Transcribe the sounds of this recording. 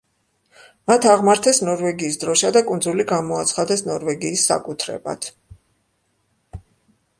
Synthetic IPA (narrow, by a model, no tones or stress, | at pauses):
mat̪ʰaʁmaɾt̪ʰɛsnɔɾvɛɡiːsd̪ɾɔʃad̪akʼunzuliɡamɔat̪sʰχad̪ɛsnɔɾvɛɡiːsːa̰kʼut̪ʰɾɛ̰ba̰t̪ʰ